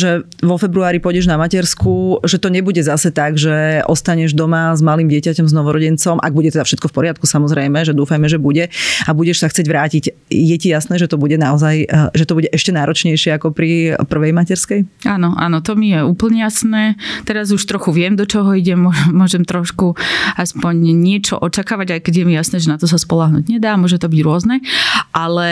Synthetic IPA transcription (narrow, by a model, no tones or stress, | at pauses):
ʒɛ | ʋɔfɛbɾuaːɾipɔjɟɛʒnamacɛɾskuʒɛt̪ɔɲɛbuɟɛzasɛt̪aɡʒɛʔɔst̪aɲɛʒd̪ɔmazmaliːmɟɪɛcacɔmznɔʋɔɾɔɟɛnt͡sɔmʔa̰ɡ̚buɟɛt̪ɛd̪afʃɛt̪̚kɔfpɔɾɪat̪̚kusamɔzɾɛjmɛʒɛd̪uːfajmɛʒɛbuɟɛabuɟɛʃsaxt͡siɛɟʋɾaːcicjɛcijasnɛːʒɛt̪ɔbuɟɛnaɔzajʒɛt̪ɔbuɟɛʔɛʃcɛnaːɾɔt͡ʃɲɛjʃɪɛakɔpɾipr̩ʋɛjmacɛɾskɛjanɔʔa̰ːnɔt̪ɔmijɛuːpl̩ɲɛjasnɛːt̪ɛɾazuʃt̪ɾɔxuʋɪɛmd̪ɔt͡ʃɔɦɔiɟɛmʊɔʒɛmːʊɔʒɛmt̪ɾɔʃkuaspɔɲɲɪɛt͡ʃɔ̰ʔɔt͡ʃakaːʋaɟajkɛɟjɛmijasnɛːʒɛnat̪ɔsaspɔlaɦnṵːɟɲɛd̪aːmʊɔʒɛt̪ɔbiɟɾʊɔznɛʔalɛ